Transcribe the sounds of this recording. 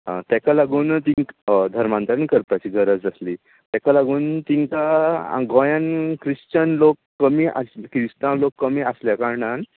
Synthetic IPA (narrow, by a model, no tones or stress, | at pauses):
ã̰t̪ɛkalaɡuːnt̪ĩŋkd̪ʱəɾmant̪əɾəɳkəɾt̪at͡ɕiːɡʱəɾəd͡zəsliː | t̪jɛkalaɡuːnt̪iŋka̰ɡɔ̃jãnkɾist͡ɕənlokːəmiːʔa̰skɾist̪ãlokːəmiːəsljakaɾɳan